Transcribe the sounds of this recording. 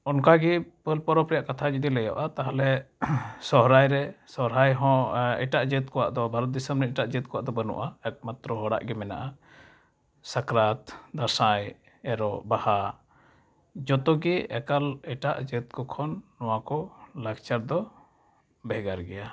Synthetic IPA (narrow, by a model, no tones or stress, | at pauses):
ɔnkaɡipəlpɔɾɔpɾɛjaʔkat̪ʰad͡ʒud̪ilɛjɔ̰ʔat̪aɦalɛ | sɔɦɾajɾɛsɔɦɾajɦɔ̃ɛ̰ʈaʔd͡ʒət̪̚kɔwa̰ʔd̪ɔbʱaɾɔt̪̚d̪isəmɾɛiʈaʔd͡ʒət̪̚kɔwa̰ʔd̪ɔbənṵʔaɛk̚mat̪ɾɔɦɔɽa̰ʔɡɛmɛna̰ʔa | sakɾat̪d̪aɾsaj | ɛɾɔbaha | d͡ʒɔt̪ɔɡiɛkalɛʈa̰ʔd͡ʒət̪̚kɔkʰɔnːɔwakɔlakt͡ʃaɾd̪ɔ | bɛɡaɾɡɛja